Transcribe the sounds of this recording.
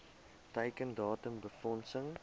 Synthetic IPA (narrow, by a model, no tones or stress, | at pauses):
təjkəndɑːtəmbəfɔnsəŋ